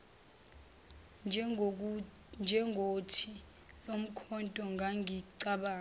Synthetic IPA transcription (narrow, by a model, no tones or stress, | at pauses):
nd͡ʒʱɛŋɡʱotʰi | lom̩kʰɔntʼɔŋɡʱaŋiǀaɓaː